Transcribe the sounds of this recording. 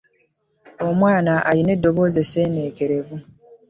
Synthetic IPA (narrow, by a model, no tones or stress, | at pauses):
o̞mwaːnaʔaɾine̞dːo̞βo̞ze̞seːne̞ːke̞ɾe̞βu